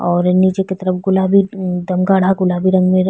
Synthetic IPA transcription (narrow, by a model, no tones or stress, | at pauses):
ɔːɾniːd͡ʒeket̪əɾəfɡʊlaːbid̪ɐmɡaːɽ̤aɡʊlaːbiɾɐ̃ŋɡmẽ